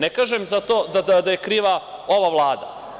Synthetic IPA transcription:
nekaːʒemzat̪o̞ːd̪ad̪ad̪ajekɾiːʋao̞ʋaʋlˠaːd̪a̰

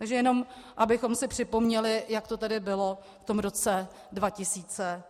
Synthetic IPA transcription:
t̪aɡʒɛjɛno̞mʔabɪxo̞msɪpr̝̥ɪpo̞mɲɛlɪjakt̪o̞t̪ɛdɪbɪlo̞ | ft̪o̞mɾo̞t͡sɛ | dvacɪsiːt͡sɛ

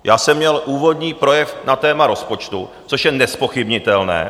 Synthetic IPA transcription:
jaːsɛmːɲɛlʔuːvo̞dɲiːpɾo̞jɛfnat̪ɛːmaɾo̞spo̞t͡ʃt̪u | t͡soʃjɛnɛspo̞xɪbɲɪt̪ɛlnɛ̰ː

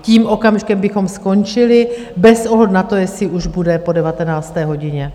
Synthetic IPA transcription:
ciːmʔo̞kamʒɪkɛmbɪxo̞msko̞nt͡ʃɪlɪ | bɛsʔoɦlɛdnat̪o̞jɛsɪʔuʒbudɛpo̞dɛvat̪ɛnaːst̪ɛːɦo̞ɟɪɲɛ

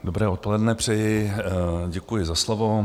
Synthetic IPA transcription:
do̞bɾɛːot̪̚po̞lɛdnɛpr̝̥ɛjɪ | ɟɛkujɪzaslovo̞

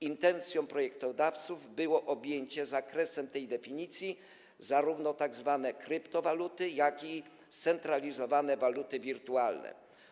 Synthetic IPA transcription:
int̪ɛnt̪sʲjɔ̃w̃pɾɔjɛkt̪ɔd̪aft̪suvbɘwɔʔɔbʲjeɲt͡ɕɛzakɾɛsɛmt̪ɛjd̪ɛfʲiɲit̪sʲji | zaɾuvnɔt̪aɡzvanɛkɾɘpt̪ɔvalut̪ɘjakʲi | st̪sɛnt̪ɾalʲizɔvanɛvalut̪ɘvʲiɾt̪ualnɛ̰

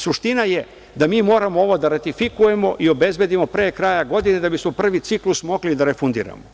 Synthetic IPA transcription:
suʃt̪inaje | d̪amiːmo̞ːɾamoo̞ʋo̞d̪aɾat̪ifikuje̞mo̞ʔio̞be̞zbe̞d̪imo̞pɾe̞ːkɾaːjaɡo̞d̪ine̞d̪abismo̞pr̩ʋit̪siklˠusmo̞ɡlid̪aɾefund̪ḭːɾa̰mo

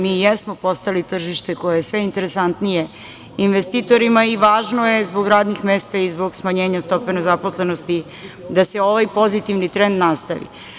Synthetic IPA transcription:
miːjesmo̞po̞st̪alit̪r̩ʒiʃt̪e̞ko̞jajesʋe̞int̪e̞ɾesant̪nije̞ | inʋest̪it̪o̞ɾimaiʋaːʒnoje̞zbo̞ɡɾaːd̪nixmeːst̪aizbo̞ɡsmaɲeːɲast̪o̞penezaposle̞nost̪i | d̪ase̞o̞ʋajpo̞zit̪iʋnit̪ɾend̪nast̪aʋḭ

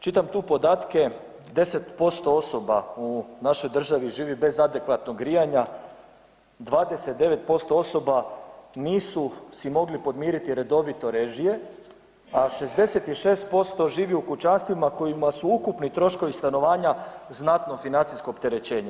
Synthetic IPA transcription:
t͡ʃit̪amt̪uːpo̞d̪aːt̪ke̞ | d̪e̞se̞t̪po̞st̪o̞o̞so̞baunaʃo̞jd̪r̩ʒaʋiʒiːʋibe̞zad̪e̞kʋat̪noɡɾijaɲa | d̪ʋaːd̪e̞set̪̚d̪e̞ʋe̞t̪̚po̞st̪o̞o̞so̞baniːsusimo̞ɡlipo̞d̪miːɾit̪iɾe̞d̪o̞ʋit̪o̞ɾe̞ʒije̞ | aʃe̞zd̪e̞set̪iʃe̞ːst̪̚po̞st̪o̞ʒiːʋiukut͡ʃanst̪ʋimako̞jimasuukupnit̪ɾo̞ʃko̞ʋist̪ano̞ʋaːɲaznat̪no̞finant̪sisko̞ːpt̪e̞ɾet͡ɕe̞ːɲe

